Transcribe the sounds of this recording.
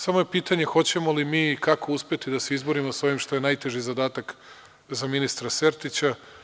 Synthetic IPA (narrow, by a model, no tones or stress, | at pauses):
samo̞jepiːt̪aɲe̞xo̞t͡ɕe̞mo̞limiːkako̞uspʲe̞t̪id̪aseizbo̞ɾimosao̞ʋimʃt̪o̞jenajt̪e̞ʒizad̪aːt̪ak | zaminist̪ɾaseɾt̪it͡ɕa